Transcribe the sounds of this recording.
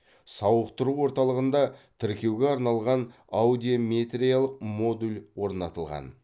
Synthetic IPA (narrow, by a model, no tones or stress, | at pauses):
sɑwəqt̪əɾuwo̞ɾt̪ɑlˠəʁənd̪ɑt̪ʰɪɾkʲe̞wɡʲeɑɾnɑlˠʁɑn | awd̪ijomʲet̪ɾijalˠəq̚mo̞d̪ulʲwo̞ɾnɑt̪əlˠʁɑ̰n